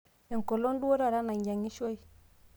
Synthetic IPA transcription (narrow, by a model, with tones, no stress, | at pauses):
e˨ŋ˨ko˨lo˦n˦du˦wo˦ɾa˦˨ɾa˦na˨ɲɟa˨ŋi˦ʃo˦i˦